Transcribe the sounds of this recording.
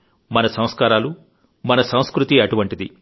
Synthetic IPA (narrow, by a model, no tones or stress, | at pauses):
mɐnɐsɐ̃m̃skaːɾaːlu | mɐnɐsɐ̃w̃skɾut̪iɐʈuʋɐɳʈid̪i